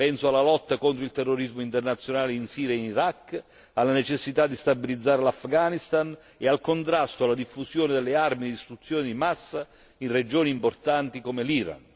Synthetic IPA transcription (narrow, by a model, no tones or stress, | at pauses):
pɛnsoalːalɔt̪ːakont̪ɾoilt̪ɛrːoɾizmoint̪ernat̪sːjonaːleinsiːɾjainiɾakː | alːanet͡ʃesːit̪ad̪ːist̪abilid̪zːaːɾelafɡanist̪an | ealkont̪ɾast̪oalːad̪ifːusjoːnɪd̪elːearmid̪ist̪ɾut̪sːjoːnɪd̪imasːa | inred͡ʒoːniːmport̪ant̪ikomeliɾa̰n